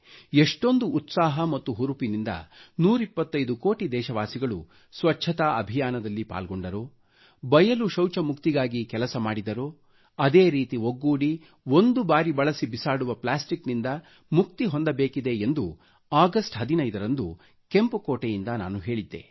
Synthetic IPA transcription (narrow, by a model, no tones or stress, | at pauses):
eʂʈo̞nd̪uːt̪saːɦɐmɐt̪ːuɦuɾupinind̪ɐ̰nuːɾipːɐt̪ːɐjd̪uko̞ːʈid̪ɛːʃɐʋaːsiɡɐɭu | sʋɐt͡ʃːʃʰɐt̪ɐɐbʱijaːnɐd̪ɐlːipa̰ːlɡoɳɖɐɾoː | bɐjɐluʃɐwt͡ʃɐmukt̪iɡaːɡikɛlɐsɐmaːɽid̪ɐɾoː | ɐd̪e̞ːɾiːt̪iɦoɡːuːɽi | ond̪ubaːɾibɐɭɐsibisaːɽuʋɐplaːsʈiknind̪ɐ | muk̚t̪iɦo̞nd̪ɐbeːkid̪e̞end̪u | aːɡɐsʈɦɐd̪inɐjd̪ɐɾɐnd̪u | ke̞mpukoːʈejind̪ɐna̰ːnuɦe̞ːɭid̪ːe̞̰